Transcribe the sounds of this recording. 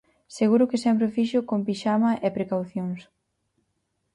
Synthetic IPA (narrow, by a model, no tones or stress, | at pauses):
seɣuɾʊkɪsɛmpɾɪfiʃʊkompiʃamɐʔepɾekawθjoŋs